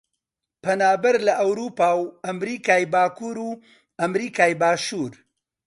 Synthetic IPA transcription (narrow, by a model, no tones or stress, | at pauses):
pʰɐnaːbɐɾlɐʔɐwɾuːpaːwɐmɾiːkaːjbaːkʰuːɾuː | ɐmɾiːkaːjbaːʃuːɾ